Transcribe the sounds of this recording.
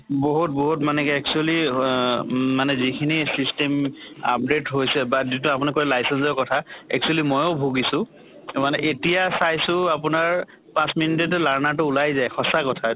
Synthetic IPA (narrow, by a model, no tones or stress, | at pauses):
boɦut̚boɦutmanɛkɛɛk̚t͡ʃuali | manɛzikʰinisistema̰p̚detɦojsɛbadit̬uapunikɔɹɛlajsɛnsɔɹkɔtʰaɛ̰k̚t͡ʃuɛlimɔjobʱuɡisʊ̃ | manɛʔetijasajsʊ̃apʊnaɹ | pãsminitet̬ɛlaɹnat̬ʊːlajzajxɔsakɔtʰa